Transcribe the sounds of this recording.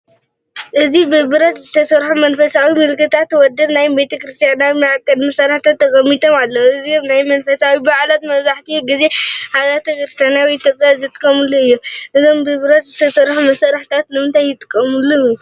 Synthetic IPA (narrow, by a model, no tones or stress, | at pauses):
ʔɨzibɨbɨɾat̪zɨt̪ʰɐsɐɾħumɐnfɐsawimɨlkːɨt̪ʰat̪wɔd̪ɐnnajmbe̞t̪ʰɐkɾɨst̪ʰʼjanawimɨʕakʼːɐd̪mɐsɐɾaħt̪ʰat̪ːɐkʼɐmit̪ʰomalːɐɨzimnajmɐnfɐsawibaʕlat̪mɐβzaħt̪ʰiɡize̞haɡat̪ʰɐkɨɾɨst̪ʰjanjawiːt̪jopʼjazɨt̪ʼːɨkʼːɐmɨlːuɨjːomʔɨzombɨbɨɾɐt̪zɨt̪ʰɐsɐɾħumɐsɐɾaħt̪ʰat̪nɨmɨnt̪ʰajjɪt̪ʼɨ̥kʼːɐmɨlːuju